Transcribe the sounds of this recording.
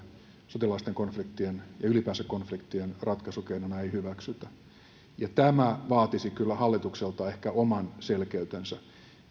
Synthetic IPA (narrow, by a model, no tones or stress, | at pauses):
sot̪ilɑist̪eŋkonflikt̪ːienjɑylipæːnsækkonflikt̪ienrɑt̪kɑsukeinonɑeihyʋæksyt̪æ | jɑt̪æmæʋɑːt̪isikylːæhɑlːit̪ukselt̪ɑehkæomɑnselkeyt̪ensæ